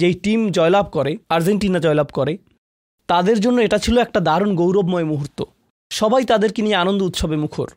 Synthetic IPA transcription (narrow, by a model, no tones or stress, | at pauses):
d͡ʑejʈimd͡ʑɔelab̚kɔɾeaɾd͡ʑeɳʈinad͡ʑɔelabkɔɾe | t̪ad̪eɾd͡ʑonːoeʈat͡ɕʰiloɛk̚ʈad̪aɾonɡowɾobmɔemuɦuɾt̪o̰ | ʃɔbʱajt̪ad̪eɾkenijeanond̪out̪ʃobemukʰo̰ɾ